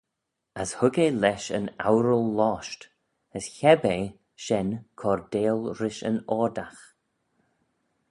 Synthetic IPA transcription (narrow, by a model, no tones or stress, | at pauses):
əshʊɡelɛʃə̰nawɾəlˠːɔːʃt | əsçɛbe | ʃɛnkʰɔɹdeːlˠɾɪʃə̰nɔːd̪ax